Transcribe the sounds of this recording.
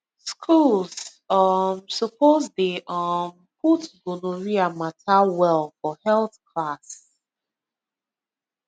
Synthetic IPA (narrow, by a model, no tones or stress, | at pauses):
skʰulz | ɔmsɔpozdeʔɔm | pʰutɡonoɹiamatʰawɛlfɔhɛlˠθkʰlas